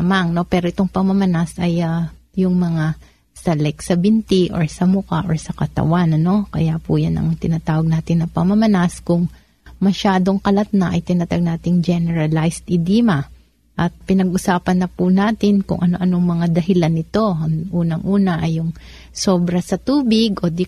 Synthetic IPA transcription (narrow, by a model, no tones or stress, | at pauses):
maŋno̞pɛːɾo̞ʔɪt̪o̞ŋpɐŋmɐmɐnasɐjajʊŋmɐŋa | sɐlɛksɐbɪnt̪iʔo̰ɹsɐmʊka̰ʔo̞ɹsɐkɐt̪ɐ̰wanɐno̞kɐjapujanɐ̰ŋt̪ɪnat̪aːwɐɡ̚naːt̪ɪnːɐpɐŋmɐmɐnaskʊŋ | mɐʃaːd̪o̞ŋkɐlɐt̪̚nɐʔɐjt̪ɪnat̪aɡ̚naːt̪ɪŋd͡ʒɛnɛɹɐlajst̪ɪd̪iːmɐ | ʔɐt̪̚pɪnɐɡʔʊsaːpɐnːɐpunaːt̪ɪnkʊ̰ŋʔɐno̞ʔɐnoŋmɐŋad̪ɐɦɪlanːɪt̪o̞ɐŋʔuːnɐŋʔuːnɐʔɐjːʊŋ | so̞ːbɾɐsɐt̪uːbɪɡʔod̪ɪ